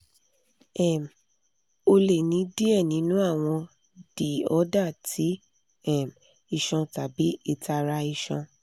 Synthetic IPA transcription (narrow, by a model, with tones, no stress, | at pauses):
ɛ˨m̩˨ | o˧le˨nĩ˨˦di˦ɛ˦˨nĩ˨˦nũ˦a˦˨w̃ɔ̃˧ | d̥i˨ɔ˨˦da˦˨tʰi˨˦ | ɛ˦˨m˨ | i˦˧˨ʃɔ̃˧ta˨bi˨˦e˧ta˧ɾa˧i˧ʃɔ̃˧